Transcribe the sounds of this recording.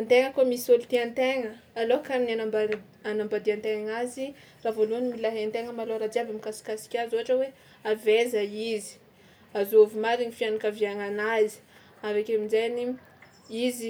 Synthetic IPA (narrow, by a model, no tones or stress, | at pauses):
ant̪eŋəkomisiolut̪iant̪eŋəːlokananaa | anambad̪iant̪eŋaŋazi | ravoluanimilaɦant̪eŋəmaloɾad͡ʒiavamikasi̥kasi̥kʲazoaʈ͡ʂəwe | avezaizi̥ | azovimaɾinifianakaviaŋanazi̥ | avakemizajni | izi